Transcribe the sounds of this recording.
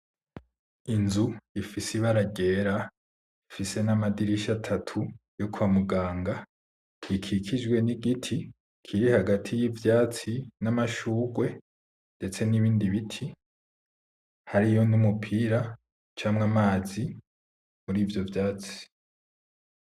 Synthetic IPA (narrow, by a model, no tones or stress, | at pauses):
inzuifisiβaɾaɡe̞ːɾa | ifise̞namadiɾiʃatʰatʰujo̞kuβamuɡaːŋɡa | ikʰikʰid͡ʒɡwe̞niɡitʰi | kʰiɾihaɡatʰijivjaːt͡sinamaʃuːɡwe̞ | nde̞t͡se̞niβiːndiβitʰi | haɾijo̞numupʰiɾa | t͡ʃaːmŋamaːzi | muɾiːvjo̞vjaːt͡si̥